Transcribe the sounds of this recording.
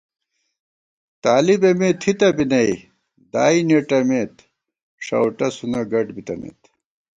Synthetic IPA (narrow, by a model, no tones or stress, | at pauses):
t̪aːlibemeːt̪ʰit̪ɐbinɐi | d̪aːineʈɐmeːt̪ | ʂɐ̰wʈɐsunɐɡɐʈbit̪ɐmḛt̪